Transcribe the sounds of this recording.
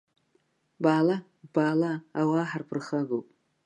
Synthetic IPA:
baːla | b̥aːlaːwaːħarpʰɨrχaɡowpʼ

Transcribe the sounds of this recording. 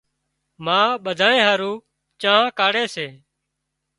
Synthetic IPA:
mãːɓəd̪ʱaːẽːɦaːɾũː | t͡ʃaːɦãːkaːɽeːseː

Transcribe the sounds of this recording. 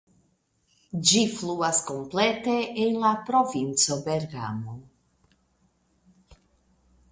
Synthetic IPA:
d͡ʒifluaskomplet̪eeŋlapɾovint͡sobeɾɡa̰mo

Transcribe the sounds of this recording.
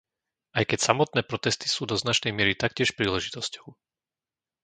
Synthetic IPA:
ʔajkɛcsamɔt̪̚nɛːpɾɔt̪ɛst̪i̥suːd̪ɔznat͡ʃnɛjmɪɛɾit̪akcɪɛʃpɾiːlɛʒit̪ɔscɔ̥ʊ

